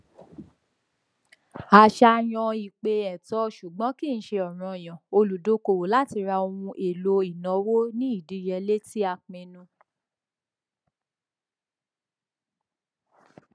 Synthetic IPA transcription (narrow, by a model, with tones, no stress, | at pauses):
a˨ʃa˧j̃ɔ̃˧i˨k͡pe˧ɛ˨tɔ˧˦ʃu˨ɡ͡bɔ̃˨˦ki˦˨n̩˦ʃe˧ɔ˨ɾ̃ɔ̃˧˨j̃ɔ̃˨o˧lu˨do˨˦ko˧˨wo˨la˦ti˧ɾa˧o˧ũ˧ʔe˨lo˧i˨nɔ̃˨˦wo˦nĩ˦i˦˨di˨˧jɛ˧le˦ti˦a˧k͡pẽ˧nũ˧